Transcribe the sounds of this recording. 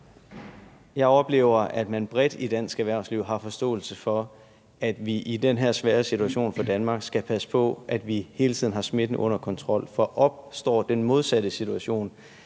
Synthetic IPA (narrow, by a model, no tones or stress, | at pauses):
jɑ̈ɪɒ̽b̥le̝̰ʊ̰ɐʔæd̥mænb̥ʁɛd̥id̥æn̰sɡ̥æʋæɐ̰sliʊ̰ɦɑ̈fɒ̽sd̥ɔ̰̽ːl̩səfɒ̽ | æd̥ʋiʔidenɦeɐ̰sʋæːɐsit͡sʰuæɕo̝̰ːnfɒd̥ænmɑ̈ːɡ̥sɡ̥æpʰæsə̥pʰɒ̽ʔæd̥ʋihe̝ːlət͡sʰið̰ˠnhɑ̈sme̝d̥n̩ɔ̽n̰ɐkʰɒ̽nt͡sʰʁɒ̽l̰fɒ̽ʔɒ̽b̥̚sd̥ɒ̰ːd̥enmo̝ð̞ˠsædɾəsit͡sʰuæɕo̝̰ːn